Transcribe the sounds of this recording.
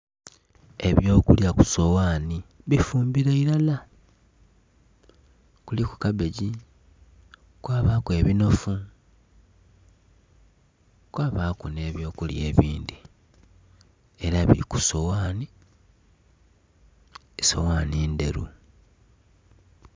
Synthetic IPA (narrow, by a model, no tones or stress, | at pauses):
e̞βjo̞ːkuljaku̥so̞waːniβifuːmbiɾaiɾala | kuliku̥kaβe̞ɟi | kwaːβaːkue̞βino̞fu | kwaːβakune̞ːβjo̞ːkulje̞̰ːβiːndi | eɾaβḭiku̥so̞waːni | so̞̰waːniːnde̞̰ɾṵ